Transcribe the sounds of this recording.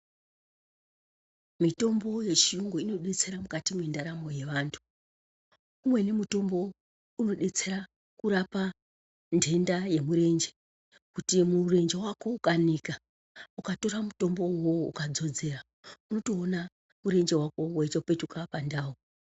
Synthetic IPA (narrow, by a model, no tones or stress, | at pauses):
mito̞mbo̞je̞t͡ʃijuŋɡoino̞ɗe̞t͡se̞ɾamukatimwendaɾamo̞je̞ʋaːntʰu̥ | umwe̞ne̞muto̞mbo̞ | uno̞ɗe̞t͡se̞ɾa | kuɾapa | nde̞ndaje̞muɾe̞nd͡ʒe | kutimure̞nd͡ʒe̞wako̞ukanika | ukato̞ɾamuto̞mbo̞woṵkad͡zo̞d͡ze̞ra | uno̞toːna | uɾe̞nd͡ʒe̞wako̞weitape̞tukapandaːo